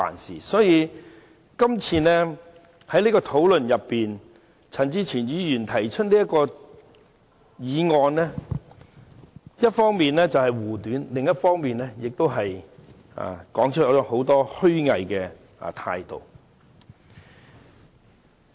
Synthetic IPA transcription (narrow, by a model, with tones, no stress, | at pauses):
fa̰ː˨nsḭː˨˩sɔː˨˥jiː˨˧ | kɐ˥mt͡sʰiː˧nɛː˥ | hɐ˨˥jniː˥kɔː˧t̪ʰo˨˥wlɵ˨njɐ˨pːiː˨n | t͡sʰɐ˨˩nt͡siː˥t͡sʰiː˨˩njyː˨˧jyː˨˩nt̪ʰɐ˨˩jt͡ʃʰɵ˥t̚niː˥jɐ˥t̚kɔː˧ | jiː˨˧ŋɔː˨˧nɛː˥ | jɐ˥t̚fɔː˥ŋmiː˨nlɛː˥t͡sɐ˨whɐ˨jwuː˨˩t̪yː˨˥nlɪ˨ŋjɐ˥t̚fɔː˥ŋmiː˨nlɛː˥jɪ˨k̚t̪o˥wɦɐ˨j | a̰˨˩kɔː˨˥ŋt͡ʃʰɵ˥t̚ːɔ˧˥ho˨˥wt̪ɔː˥hɵ˥ɥŋɐ˨jkɛ̰ː˧˨ | t̪ʰa̰ː˧jt̪o̰˨w